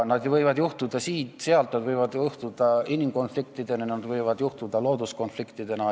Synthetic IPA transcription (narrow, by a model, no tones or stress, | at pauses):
nɑd̪jvɤjvɑd̪juht̪ud̪̥ɑsiːt̪seɑlt̪nɑd̪vɤjvɑd̪uht̪ud̪̥ɑinimko̞nflik̚t̪id̪̥enɑnɑd̪vɤjvɑd̪juht̪ud̪̥ɑlo̞ːd̪̥usko̞nflikt̪id̪̥e̞nɑ